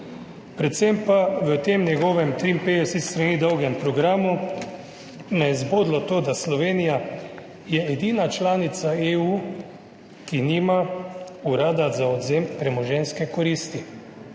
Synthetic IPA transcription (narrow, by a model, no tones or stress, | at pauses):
pɾɛt̪sempaʋət̪eːmnjɛɡɔːʋɛmt̪ɾimpejusist̪ɾaniːd̪ɔwɡɛmpɾɔɡɾaːmu | nɛzboːd̪lɔt̪oːd̪aslɔʋeːnija | jɛːd̪iːnat͡ʃlaːnit̪saeu | kinimauɾaːd̪azaɔd̪zempɾɛmɔʒɛnskɛkɔɾiːst̪i